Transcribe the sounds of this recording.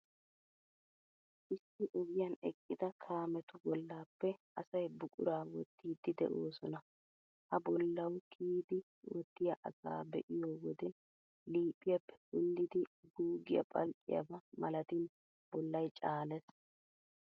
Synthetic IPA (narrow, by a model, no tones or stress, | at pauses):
ʔɪsːɪʔɔɡɪjɐnɛkʼːɪd̪ɐkʰaːmɛt̪ʊbɔlːaːpːɛʔɐsɐjbʊkʼʊ̰ɾaːwɔt̪ːiːd̪ːɪd̪ɛ̰ʔo̞ːsɔnɐ | hɐbɔlːɐwkʰiːd̪ɪ | wɔt̪ːɪjɐʔɐɡa̰ːbɛʔɪjoːwɔd̪ɛ | liːpʼːɪjɐpːɛ̥kʊnd̪ɪd̪ɪɡuːɡɪjɐ̰pʼɐlkʼːɪ̰jɐ̰bɐmɐlɐt̪in | b̥ɔlːɐjt͡ʃʼaːlɛs